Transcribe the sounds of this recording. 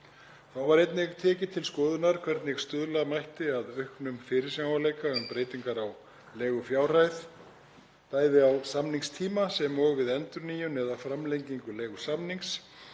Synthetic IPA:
θawvaɾejt̪nɪɣt̪ʰɛːcɪt̪ʰɪlskɔːðʏnaɾ̥kʰv̥ɛɾt̪nɪɣst̪ʏðlamajht̪ɪaðœɥhknʏmfɪːɾɪɾ̥sjawvaleːjkaʏmpɾeːjt̪iŋkaɾaw | lɛːɣʏfjaːwrajð | t̪aːjðɪawsamniŋst̪ʰiːmasɛmɔɣvɪðɛnt̪ʏɾniːjʏnɛðafɾamlejɲciŋkʏlɛːɣʏsamniŋks

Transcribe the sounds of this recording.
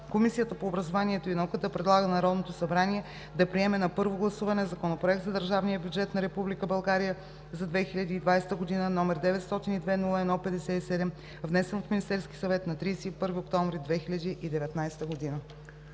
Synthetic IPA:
komisijət̪əpoːbɾɐzovaniɛt̪oinɐukət̪əpɾɛd̪lˠaɡənɐɾɔd̪not̪osɐbɾaniɛ | d̪ɐpɾiɛmɛnɐpɤɾvoɡlˠɐsuvɐnɛzɐkonopɾoɛk̚t̪zɐd̪əɾʒavnijəbʲjud͡ʒɛt̪nɐɾɛpublikəbɐlˠɡaɾijə | zɐd̪vɛxilʲəd̪iːd̪vajst̪əɡod̪inənɔmɛɾd̪ɛvɛt̪st̪ɔt̪inid̪vɛnulˠəɛd̪nɔpɛd̪ɛsɛisɛd̪ɛm | vnɛsɛnfminist̪ɛɾski̥sɐvɛt̪nɐt̪ɾisɛipɤɾviokt̪ɔ̃ɱvɾid̪vɛxiʎʲɐd̪iʔid̪ɛvɛt̪najst̪əɡod̪inə

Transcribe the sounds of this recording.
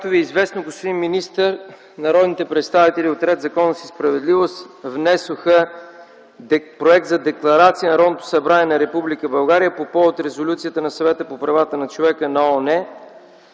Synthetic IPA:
kat̪oviɛizvɛsnoɡospod̪inminist̪əɾ | nɐɾɔd̪nit̪ɛpɾɛt̪st̪avit̪ɛliot̪ɾɛd̪zɐkɔnːəsispɾɐvɛd̪livost̪vnɛsoxə | pɾoɛk̚t̪zɐd̪ɛklˠɐɾat̪sijənɐɾɔd̪nət̪o̥sɐbɾanɛnɐɾɛpublikəbɐlˠɡaɾijəpopɔvot̪ɾɛzolʲut̪sijət̪ənɐsɐvɛt̪əpopɾɐvat̪ənɐt͡ʃovɛkənɐɔnɛ

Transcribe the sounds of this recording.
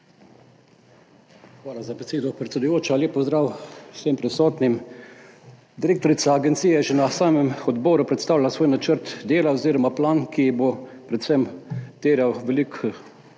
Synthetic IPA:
xʋaːlazabɛseːd̪ɔpɾɛt̪sʲɛd̪ʊjoːt͡ʃalʲeːpɔzd̪ɾaːwsempɾɛsɔːt̪nim | d̪iɾeːkt̪ɔɾit̪saːɡɛnt̪sijɛɛʒɛnasaːmɛmɔd̪bɔːɾupɾɛt̪st̪aːwlʲalasʋoːjnat͡ʃəɾt̪d̪eːlaoziːɾɔmaplaːnkijbopɾɛt̪sɛmt̪eːɾjawʋɛlik

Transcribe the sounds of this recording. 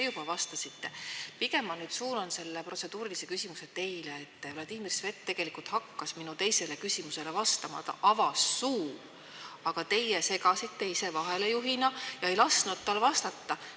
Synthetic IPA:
ejubɑvɑst̪ɑsit̪ːe̞piɡe̞mːɑlnyːd̪̥suːnonse̞lːeprʔo̞t̪se̞d̪̥uːɾilise̞kysʲimuse̞t̪e̞jleːt̪ːˑvlɑd̪̥imirsve̞t̪ːe̞ɡ̥e̞likult̪hɑkːɑsminut̪e̞jse̞le̞kysimuse̞le̞vɑst̪ɑmɑ̰t̪ɑ̰ʔɑvɑsːuː | ɑɡ̥ɑt̪e̞jese̞ɡɑsit̪ːeise̞vɑɦele̞juɦinɑjɑe̞jlɑsnud̪̚t̪ːɑlvɑst̪ɑt̪ːɑ

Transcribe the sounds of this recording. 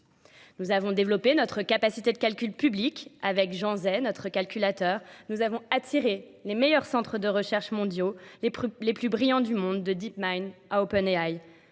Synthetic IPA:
nuzavɔ̃d̪evlɔpenɔt̪χəkapasit̪ed̪əkʲalkʲylpyblikavɛkʒɑ̃zɛnɔt̪χəkalkʲylat̪œːʁnuzavɔ̃at̪ʰiʁe | lemɛjœʁsɑ̃t̪χəd̪əʁəʃɛʁʃmɔ̃d̪jolleplybʁijɑ̃d̪ymɔ̃d̪ːəd̪ipmajnaopɛneaj

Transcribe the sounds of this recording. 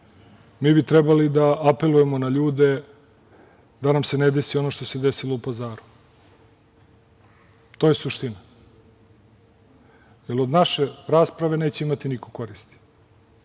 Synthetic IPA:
miːbit̪ɾɛbalid̪aʔape̞luje̞mo̞naʎuːd̪e̞ | d̪anamse̞ned̪e̞sio̞no̞ʃt̪o̞se̞d̪esiloupazaːɾu | t̪o̞jesuʃt̪ina | jelo̞d̪naʃe̞ɾaːspɾaʋe̞ne̞ːt͡ɕeimat̪inikoko̞ɾist̪i̥

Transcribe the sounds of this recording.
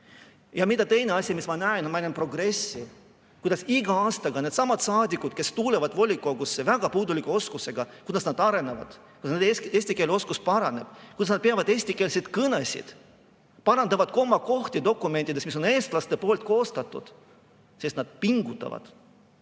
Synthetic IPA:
jɑmid̪ɑt̪e̞jne̞ɑsʲimismɑnæenmænʲempro̞ɡre̞sːi | kujd̪̥ɑsiɡ̥ɑɑːst̪ɑɡ̥ɑned̪̥sɑmɑd̪̥sɑːd̪ʲikːˑud̪̥ke̞st̪uːlevɑd̪vo̞lʲikˑo̞ɡ̥usːevæɡ̥ɑpuːd̪ulikuo̞skuse̞ɡ̥ɑkujd̪ɑsnɑd̪ɑɾe̞nevɑ̰d̪̥ | kud̪ɑsned̪eesʲt̪ikelo̞skuspɑɾɑne̞̰b̥kujd̪ɑsnɑd̪̥̚peɑvɑd̪̥e̞ːsʲt̪ike̞ːlset̪kɤnesʲḭd̪̥ | pɑɾɑnd̪ɑvɑd̪̥̚ko̞mːɑko̞ht̪ʲid̪o̞kːˑume̞nʲt̪ʲːˑid̪esmis̬one̞ːst̪lɑst̪e̞po̞ːlt̪̚ˑko̞ːst̪ɑt̪ːˑṵd̪̥ | sist̪nɑd̪̥̚piŋɡut̪ːˑɑ̰vɑ̰d̪̥

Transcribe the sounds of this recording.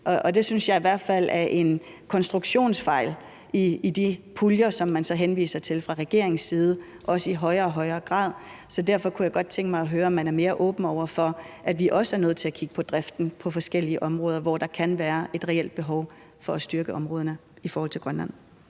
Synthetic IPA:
ʔɒ̽ʔɒd̥e̝synsjɑ̈ɪiʋæɐ̰d̥fæl̰æɐʔe̝n | kʰɒ̽nsd̥ʁuɡ̥ɕo̝̰ːnsfɑ̈ɪ̰l | iːd̥ipʰuljɐsɒ̽mːænsɒ̽ɦenʋḭːsɐt͡sʰe̝lfʁɑ̈ʁɛɡ̥e̝ɐ̰eŋsːiːð̞ˠə | ʔɒ̽səiɦɒ̽ɪɐɒ̽ɦɒ̽ɪɐːɡ̥ʁɑ̰̈ːðˠsɒ̽dæɐ̰fɒ̽kʰujɑ̈ɪɡ̥ɒ̽d̥̚t͡sʰeŋ̰ɡ̥mɑ̈ɪɒ̽ɦøːɐɒ̽mːænæɐme̝ːɐʔɔ̽ːb̥n̩ɒʊ̰ɐfɒ̽ʔæd̥ʋiʔɒ̽səæɐnøð̩̰ˠt͡sʰe̝ækʰiɡ̥ə̥pʰɒ̽d̥ʁafd̥n̩pʰɒ̽fɒ̽sɡ̥el̰iəʔɒ̽mʁɔ̽ːðˠɐʋɒd̥ɑ̈kʰænʋæːɐʔe̝d̥ʁɛel̰d̥̚b̥e̝ɦɒʊ | fɒ̽æsd̥yɐɡ̥əʔɒ̽mʁɔ̽ːð̞ˠɐnə | ifɒɔːhɒlt͡sʰe̝ɡ̥ʁɶnlæn̰

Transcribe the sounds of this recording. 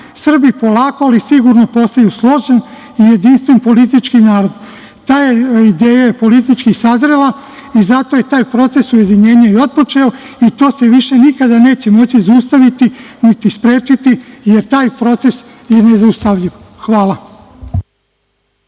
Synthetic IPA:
sr̩bipo̞lˠaːkoalisiɡuɾno̞po̞st̪ajuslˠo̞ʒen | ije̞d̪inst̪ʋe̞npo̞lit̪̬it͡ʃkinaːɾo̞d̪ | t̪aːjeid̪e̞ːjajepo̞lit̪̬it͡ʃkisazɾela | izat̪o̞je̞t̪aːjpɾo̞t̪se̞suje̞d̪iɲe̞ːɲaio̞t̪̚po̞t͡ʃe̞o | it̪o̞ːse̞ʋiʃe̞nikad̪ane̞ːt͡ɕe̞mo̞t͡ɕizust̪aʋit̪init̪ispɾe̞ːt͡ʃit̪ije̞ɾt̪aːjpɾo̞t̪se̞s | je̞ne̞zaust̪aʋʎiʋ | xʋaːla

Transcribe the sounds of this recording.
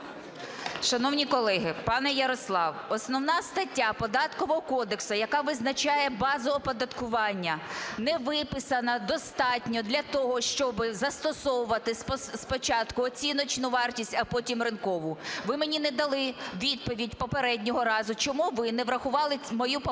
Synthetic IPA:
ʃɐnɔwnʲikɔlˠɛɦɪpɑnɛjɐɾɔslˠɑwɔsnɔwnɑst̪ɐtʲːapɔd̪ɑt̪kɔʋɔɦɔkɔd̪eksʊjɐkɑʋɪznɐt͡ʃɑjɛbɑzɔʋɔpɔd̪ɐt̪kʊʋɑnʲːɐnɛʋɪpɪsɐnɐd̪ɔst̪ɑtʲnʲɔd̪lʲɐt̪ɔɦɔʃt͡ʃɔbɪzɐst̪ɔsɔwʊʋɐt̪ɪspspɔt͡ʃɑt̪kʊɔt͡sʲinɔt͡ʃnʊʋɑrtʲisʲtʲɐpɔtʲimrɪnkɔʋʊʋɪmenʲinɛd̪ɐlˠɪʋʲid̪̚pɔʋʲidʲpɔpeɾɛdʲnʲɔɦɔɾɑzʊt͡ʃɔmuʋɪnɛʋɾɐxʊʋɑlˠɪmɔjup

